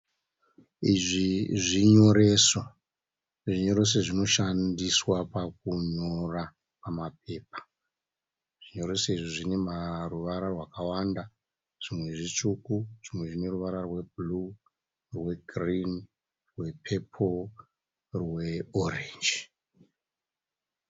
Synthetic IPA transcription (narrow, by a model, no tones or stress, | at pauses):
iʐiʐiɲo̞ɾe̞ːso | ʐiɲo̞ɾe̞s̬eʐino̞ʃandiswapak̚uɲo̞ra | pamap̚e̞ːp̚ḁ | ʐ̥iɲo̞ɾe̞soiʐiʐinemaruʋaɾarwakawanda | ʐ̥imwe̞ʐit͡ʂukuʐ̥imwe̞ʐine̞ruʋaɾarwe̞bulu | rwe̞ɡrin | rwe̞pʰepʰol | rweorend͡ʒi